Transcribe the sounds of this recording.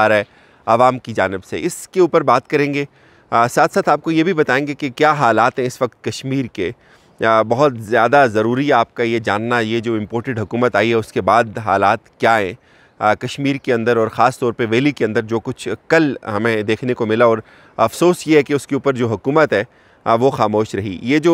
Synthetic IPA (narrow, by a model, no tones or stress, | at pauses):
aɾɦɛ | ɐʋaːmkid͡ʒaːnɪbsḛɪskeuːpəɾbaːt̪̚kɐɾẽːŋɡeː | saːt̪ʰsaːt̪aːp̚kojebʱibɐt̪aːẽːŋɡekekjaːɦaːlaːt̪ɦɛ̃ɪsʋɐk̚t̪̚kɐʃmiːɾke | bɐɦʊt̪zjaːd̪azɐɾuːɾiɦɛaːp̚kajed͡ʒa̰ːnːajed͡ʒoːɪ̃mpoːɾʈeɖɦʊkuːmət̪aːiɦɛʊskebaːd̪ɦa̰ːlaːt̪kjaːɦɛ̃ | kɐʃmiːɾkeɐ̃nd̪əɾɔːɾxaːst̪ɔːɾpɐɾʋeːlikeɐ̃nd̪əɾd͡ʒoːkʊt͡ʃʰkɐlɦɐmẽd̪eːkʰnekomɪlaɔːɾ | ɐfsoːsjeɦɛkeʊskeuːpəɾd͡ʒoːɦʊkuːmət̪ɦɛː | ʋoxaːmoːʃɾɐɦḭjed͡ʒoː